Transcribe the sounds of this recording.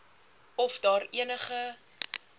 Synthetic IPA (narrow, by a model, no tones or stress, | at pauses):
ɔfdɑːɾiənəχə